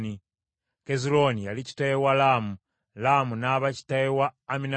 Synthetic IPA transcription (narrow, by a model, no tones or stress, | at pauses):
ni | kezilonijalici̥tajewalamu | lamunaːβaci̥taewaːmina